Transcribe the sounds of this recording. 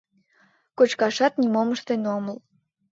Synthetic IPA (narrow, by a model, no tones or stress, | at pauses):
kot͡ɕkɑʃɑt̪nʲimomə̆ʃt̪enoməl